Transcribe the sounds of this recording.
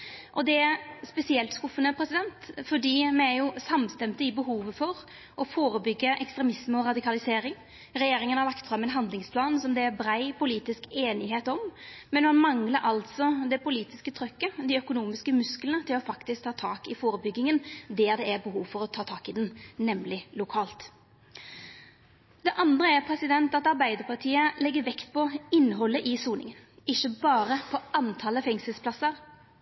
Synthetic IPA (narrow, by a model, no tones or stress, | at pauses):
ʔɔd̪ɛæspɛsɪɛlt̪skʊfːənəpʰɾɛsɪd̪ɛnt̪fɔɖiːmɛæjʊsɑmst̪ɛmt̪əɪbəɦuːʋəfɔɾ | ʔɔfoːɾəbʏɡːəʔɛkst̪ɾɛmɪsməɔɾɑd̪ɪkɑlɪseːɾɪŋ | ɾɛjeːɾɪŋənhɑɾlɑkt̪fɾɑmːɛnɦɑnd̪lɪŋspʰlɑːnsɔmd̪ɛæɾbɾæɪpʊliːt̪ɪskeːnɪɦeːt̪ɔmmɛnmɑnmɑŋləɾʔɑlt̪sɔd̪ɛpʊliːt̪ɪskət̪ʰɾœkːəd̪ɪœkʊnuːmɪskəmʉsklənət̪ʰɪlɔfɑkt̪ɪsk̚t̪ʰɑːt̪ʰɑːkɪfoːɾəbʏɡːɪŋənd̪ɛːɾd̪ɛæɾbəɦuːʋfɔɾɔt̪ʰɑːt̪ʰɑːkɪd̪ɛnnɛmlɪlʊkʰɑːlt̪ | d̪ɛʔɑnd̪ɾəæɾpʰɾɛsɪd̪ɛnt̪ɑt̪ɑɾbæɪd̪əɾpʰɑʁʈ̪ʰiːəlɛɡːəɾʋɛkt̪pʰɔɪnːəɦɔlːəʔɪsuːnɪ̰ŋənɪçːəbɑːɾəpʰɔʔɑnt̪ʰɑləfɛŋsəlspʰlɑsːəɾ